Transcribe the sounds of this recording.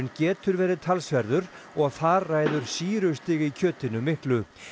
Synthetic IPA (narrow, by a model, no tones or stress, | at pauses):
ʏncɛːt̪ʏɾvɛːɾɪðt̪ʰalsvɛɾðʏɾ | ɔɣθaɾːaːjðʏɾ̥siːɾʏst̪ɪɣicʰœːt̪ɪnʏmɪhklʏ